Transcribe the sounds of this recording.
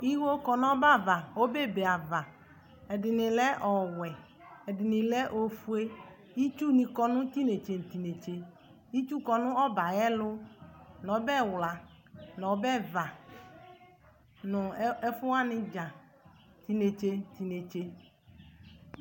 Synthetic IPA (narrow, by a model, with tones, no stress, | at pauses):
i˦wo˦kɔ˨nɔ̃˦ba˦˨va˨o˦be˦˨be˨a˨va˨ | ɛ˨dɪ˨nɪ̃˨lɛ˦ʔɔ˨wɛ˨ | ɛ˨dɪ˨nɪ̃˨lɛ˦ʔo˦fu˦e˦ | i˦t͡ʃu˦nĩ˨kɔ˦nʊ̃˦t̪i˦ne˨t͡ʃe˨n̩˨t̪i˨ne˨t͡ʃe˨ | i˦t͡ʃu˦kɔ˨nʊ̃˦ɔ˦ba˨jɛ˦lʊ˦nɔ̃˨˦bɛ˦wla˨ | nɔ̃˨˦bɛ˦va˨ | nʊ̃˨ɛ˦fʊ˦a˦nɪ̃˦d͡ʒa˨ | t̪i˦ne˨t͡ʃe˦n˨t̪i˨ne˨t͡ʃe˦